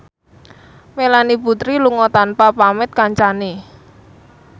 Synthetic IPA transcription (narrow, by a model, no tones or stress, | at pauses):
melaniput̪ɾiluŋɔt̪anpapamɪt̪̚kaɲt͡ʃane